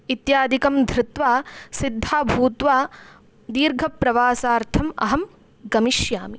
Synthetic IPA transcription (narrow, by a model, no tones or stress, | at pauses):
it̪jaːd̪ʱikɐmd̪ʱɾɪt̪ʋaːsid̪ʱːaːbʱuːt̪ʋaː | d̪iːɾɡʱɐpɾɐʋaːsaːɾt̪ʰɐmɐ̰ɦɐm | ɡɐmiʃjaːmi